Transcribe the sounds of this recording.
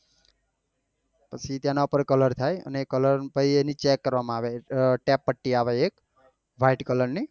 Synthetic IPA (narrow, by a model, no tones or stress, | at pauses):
pət͡ʃʰit̪jãnaupəɾkələɾt̪ʰajə̰nekːələɾpəienit͡ʃekːəɾʋamãaːʋeʈɛpːəʈːiaʋeek | ʋʱaɪʈkələɾni